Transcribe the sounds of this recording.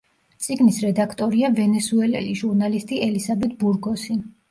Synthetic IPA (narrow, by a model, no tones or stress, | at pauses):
t̪sʼiɡnisɾɛd̪akʰt̪ʼɔɾiavɛnɛsuɛlɛ̰liʒuɾnalist̪ʼiɛlizabɛt̪̚ʰbuɾɡɔsi